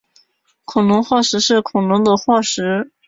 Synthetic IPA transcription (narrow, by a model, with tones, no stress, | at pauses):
kʰʊ˨˩ŋnʊ˧˥ŋxwa˥˩ʂɻ̩˧˥ʂɻ̩˥˩kʰʊ˨˩ŋnʊ˧˥ŋd̪ə˧xwa˥˩ʂɻ̩˧˥